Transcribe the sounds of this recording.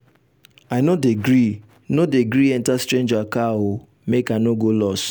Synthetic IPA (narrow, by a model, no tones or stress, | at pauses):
aɪnodeɡɾi | nodeɡɾiɛntastɾẽnd͡ʒakaɦo | mekanoɡolɔs